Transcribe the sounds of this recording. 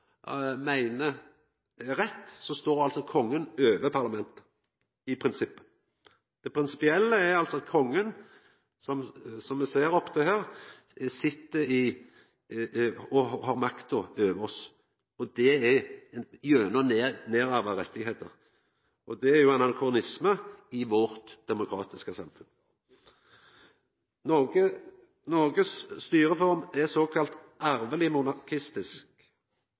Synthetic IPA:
mæɪnə | ɾɛt̪ːsɔst̪oːɾdɑlsɔkʰɔŋːənøːʋəpʰɑɾlɑmɛnt̪ə̥ | ɪpʰɾɪnsɪpːə̥ | d̪̥ɛpʰɾɪnsɪ̥pɪɛlːəæɾɑlt̪sɔɑt̪̚kʰɔŋːən | sɔmsɔmːɛseːɾɔpːət̪ʰɛɦæːɾ | sɪt̪ːəɾɪ | ɔhɑːɾmɑkt̪ɔøːʋəɔs | ɔd̪ɛɛ | jøːnəneːɾɑːʋɑɾɛt̪ʰːɪɡheːt̪ə̰ʁ | ʔɔd̪ɛæɾjʊɛnɑnkʰʁʊnɪsməɪʋɔʁt̪d̪̥ɛmʊkʰɾɑ̰ːt̪ɪskəsɑ̰mfʉn | nɔɡə | noɡəsst̪yːɾəfɔɾmɛsoːkʰɑlt̪ʔæɾʋəlɪmʊnɑkʰɪst̪ɪsk

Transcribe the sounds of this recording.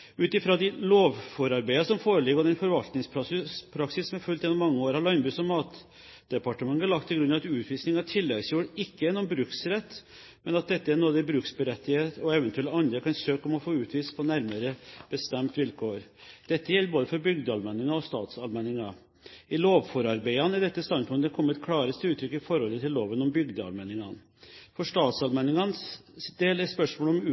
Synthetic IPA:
ʉːt̪ɪfɾɑd̪ɪloːʋfɔɾɑɾbæɪɑsɔmfoːɾəlɪɡɔd̪ɛnfɔɾʋɑlt̪nɪŋspʰɾɑpʰɾɑksɪsːɔmɛfʉlt̪jɛnɔmɑŋːəoːɾhɑɾɭɑnbʉːsɔmːɑːt̪ | d̪̥ɛpɑʈəmɑŋːæɭɑk̚t̪ʰːɪlɡɾʉnːɑʋɑt̪ʉːt̪ʰʋiːsnɪŋɑʈʰɪlːɛɡsjuːɽɪkːəɛnɔmbɾʉksɾɛt̪ː | mɛnɑt̪̚d̪ɛt̪ːəæɾnuːd̪ɛɪbɾʉːksbəɾɛt̪ːɪheːt̪ɔɛʋɛnt̪ʉɛləɑnd̪ɾəkɑnsøːkɔmɔfoːʉːt̪ʰʋiːspʰɔnæɾməɾəb̥əst̪ɛmt̪ʋɪlkʰoːɾd̪̥ɛt̪ːəjɛlːəɾboːd̪əfɔɾbʏɡd̪əɑlmɛnːɪŋɑɔst̪ɑːt̪sɑlmɛnɪŋɑ | ɪloːʋfɔɾɑɾbæɪɑnɛɖ̪ɛt̪ːəst̪ɑnpʰɔɔmɛkʰɔmːəɛt̪kʰɽɑːɾəst̪əʉːt̪ʰːɾʏkːɪfɔɾhɔlːət̪ʰɪlːoːʋənɔmbʏɡd̪əɑ̰lmɛnɪŋɑn | fɔʂt̪ɑːt̪sɑlmɛnɪŋɑnsd̪eːlɛspœʂmoːlɔm

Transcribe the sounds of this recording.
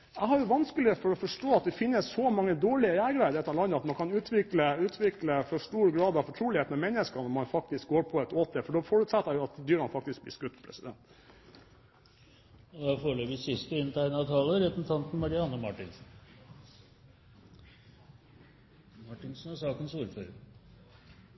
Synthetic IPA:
æɪhɑɾjʊʋɑnskəlɪɔfɔɾɔfɔʂʈoːɑt̪̚d̪ɛfɪnːəssɔmɑŋːəd̪oːɭɪəjæːɾəɡɾæɪd̪əɾɛt̪ʰːɑlɑnːəɑt̪mɑnkʰɑnʉːt̪ʰʋɪkləʉːt̪ʰʋɪkləfɔʂʈuːɾɡɾɑːd̪ɑʋfɔʈʰɾuːlɪheːt̪n̩ɑmɛnːəskɑnɔmɑnfɑk̚t̪ɪsk̚ɡoːɾpʰɔɛt̪oːt̪əfɔɖɔfɔɾʉt̪sɛt̪ːɑjʊɑt̪d̪yːɾmɑnfɑk̚t̪ɪsk̚b̪ɪ̰skʉt̪ːpʰɾɛ̰sɪd̪ɛ̰nt̪ | d̪ɑfoːɭøːʋɪsɪst̪əɪnt̪ʰæɪnɑʋt̪ʰɑːləɾɛt̪n̩t̪ʰɑnt̪n̩mɑɾɪɑnɔmɑʈɪnsn | mɑʈɪnsnɑsɑːkənsuːɾføːɾə

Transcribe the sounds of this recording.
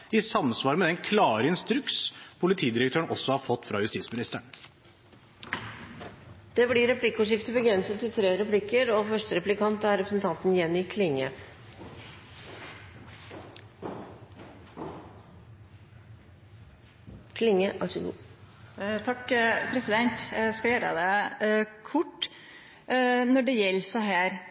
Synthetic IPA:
ɪsɑmsʋɑːɾmɛd̪ɛnkʰlɑːɾəɪnst̪ɾʉkspʰʊlɪt̪ʰiːd̪ɪɾəkt̪ʰøːəɳʔɔsːɔhɑɾfɔt̪ːfɾɑjʉst̪iːsmɪnɪst̪əɳ | d̪̥ɛblɪɾɛpʰlɪkːəʊʂɪft̪əbəɡɾɛnsət̪ʰːɪlt̪ʰɾeːɾɛpʰlɪkːəɾɔfœʂʈəɾɛplɪkʰɑnt̪æɾɾɛpɾəsn̩t̪ʰɑnt̪n̩jɛnːɪkʰlɪŋːə | kʰlɪŋːəʔɑ̰səɡṵː | t̪ʰɑkpʰɾɛsɪd̪ɛnt̪skɑjøːɾə̰d̪ɛ | kʰʊʈː | nɔɖɛjɛlːsæɦæːɾ

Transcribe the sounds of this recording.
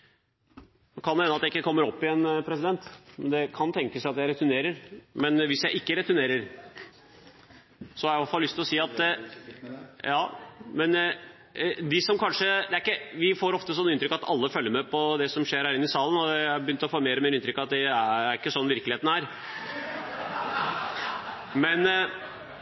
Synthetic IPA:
kʰɑnhɛnəɑt̪d̪ɛɪkːəkʰɔmːəɾɔpːɪɛːnpʰɾɛsɪd̪ɛnt̪mɛnd̪ɛkʰɑnt̪ʰɛŋkəsæɪɑt̪jæɪɾɛt̪ʉneːɾəɾmɛnʋɪsjæɪʔɪkːəɾɛt̪ʉneːɾəɾ | sɔhɑɾæʋɑfɑlːʏst̪ɪlɔsiːɑt̪ | jɑːmɛn | d̪ɪsɔmkʰɑnʂəd̪ɛæɾɪkːəʋɪfoːɾɔft̪əsɔnːəɪnt̪ɾʏkːɑt̪ʰɑ̰lːəfœlːəɾmɛpʰɔd̪ɛsɔmʂeːɾhæɾɪnːɪsɑːlən̩ɔæbəjʏnt̪əɔfoːmeːɾəmeːɾəɪnt̪ɾʏkːɑt̪̚d̪ɛæɾɪkːəsɔnːʋɪɾklɪheːt̪n̩hæɾ | mɛn

